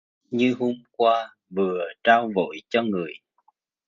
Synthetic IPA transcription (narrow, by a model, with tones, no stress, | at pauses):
ɲɨ˧ɦo˧mkwaː˧ | vɨ˨˩ət͡ɕaː˧wvo̰˧˨jt͡ɕɔ˧ŋɨ˨˩əj